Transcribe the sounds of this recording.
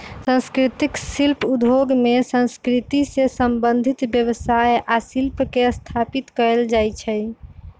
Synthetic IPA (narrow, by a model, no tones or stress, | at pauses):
sə̃nskɾit̪iksilpʰud̪ʱoɡmesə̃nskɾit̪isesəmbənd̪ʱit̪bjəβəsajʔasilpkeəst̪ʰapit̪kəɾeld͡ʒajt͡ʃʰɛ